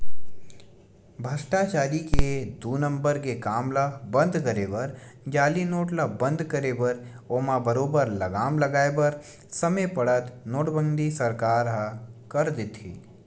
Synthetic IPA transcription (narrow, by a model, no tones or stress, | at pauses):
bʱəsʈat͡ʃaːɾiked̪uːnə̃mbəɾkekaːmlabɐ̃nd̪ʱkəɾeːbɐɾd͡ʒaːlinoːʈlabə̃nd̪ʱkɐɾebəɾ | oːmãbəɾoːbəɾlɐɡaːmlɐɡaːebəɾ | sɐmepɐɽət̪noːʈbə̃nd̪ʱisɐɾkaːɾɦakəɾd̪ɪt̪iː